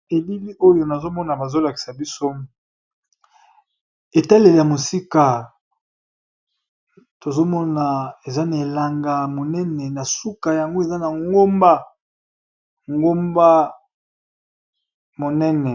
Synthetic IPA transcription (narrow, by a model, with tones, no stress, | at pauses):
e˨bi˦li˦ʔo˦jo˨na˨zo˦mɔ˦na˨ba˨zo˦la˨ki̥˨sa˨bi˦so˦ | e˨ta˦le˨le˨ja˨mo˨si˦ka˨ | to˨zo˦mɔ˦na˨e˨za˦na˨e˨la˨ŋɡa˨mo˨nɛ˦nɛ˨na˨su˦ka˨ja˨ŋɡo˦e˨za˦na˨ŋɡo˦mba˦ | ŋɡo˦mba˦ | mo˨nɛ˦nɛ˨